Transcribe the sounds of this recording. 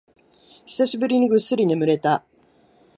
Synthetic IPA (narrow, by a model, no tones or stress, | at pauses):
çi̥saɕibɯɾʲiɲ̟iɡɯ̟sːɨɾʲinemɯ̟ɾe̞t̪a